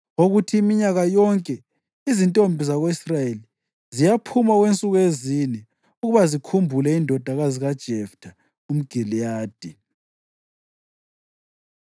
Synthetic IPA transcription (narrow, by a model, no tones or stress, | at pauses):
oɣutʰiːmiɲaɣajɔŋkʼɛ | izintʼombʱizaɣoisrajeli | zijapʰumaɣwent͡sʼuɣwezinɛ | uɣuβazikʰumbʱulɛindʱɔd̥ʱaɣaziɣad̥ʒ̥ʱɛftʰa | um̩ɡ̥ʱilijaːd̥ʱi